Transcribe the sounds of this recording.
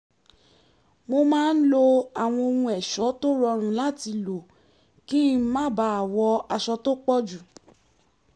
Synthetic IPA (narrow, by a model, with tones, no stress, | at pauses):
mo˧mãː˦n̩˦lo˧a˨w̃ɔ̃˧o˧ɾũ˧ɛ˨ʃɔ˨˦to˦ɾɔ˧ɾ̃ũ˧la˦˨ti˧lo˨ | ki˦mã˦ba˧˦a˦˨wɔ˧a˧ʃɔ˧to˦k͡pɔ˦d͡ʒu˨